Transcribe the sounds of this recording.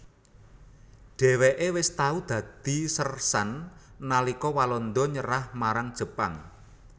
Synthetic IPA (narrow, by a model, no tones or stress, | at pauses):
ɖ̥ɛ̤weʔewɪst̪aud̪̥ä̤d̪̥i̤sərsanː | alikɔwalɔnd̪ɔɲəɾahmaɾaŋd̥ʒ̥ə̤pa̰ŋ